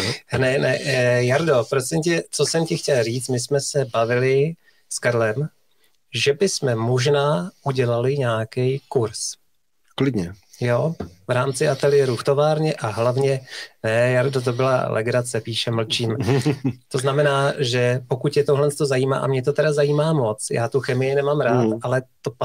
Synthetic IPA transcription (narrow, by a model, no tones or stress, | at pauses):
nɛnɛjaɾdo̞pɾosɪmcɛt͡so̞sɛmcɪxcɛlriːt͡smɪsmɛsɛbavɪlɪ | skaɾlɛm | ʒɛbɪsmɛmoʒnaːʔuɟɛlalɪɲaːkɛjkuɾs | klɪdɲɛjovɾaːmt͡sɪʔat̪ɛlɪjɛɾuft̪o̞vaːɾɲɛʔaɦlavɲɛnɛjaɾdot̪̬obɪla̰lʔɛ̰ɡɾat͡sɛpiːʃɛml̩t͡ʃiːm | t̪o̞znamɛnaːʒɛpo̞kut̪jɛt̪oɦlɛnst̪ozajiːma̰ːʔa̰mɲɛt̪o̞t̪ɛdazajiːmaːmo̞t͡sja̰ːt̪uxɛmɪjɪnɛmaːmɾaːt̪ʔalɛt̪opa